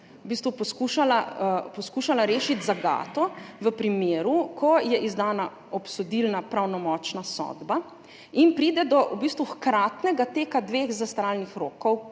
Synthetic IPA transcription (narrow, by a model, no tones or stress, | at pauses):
biːst̪ʋupɔskuʃalapɔskuːʃalaɾeːʃit̪zaɡa̰ːt̪ɔʋəpɾimeːɾukʰɔjɛʔizd̪aːna | ɔpsɔd̪ilnapɾawnɔmɔːt͡ʃnasɔ̰ːd̪ba | inpɾiːd̪ɛd̪ɔubist̪ʋuxkɾat̪nɛɡat̪eːkad̪ʋeːxzast̪ɾalnixɾoːkɔw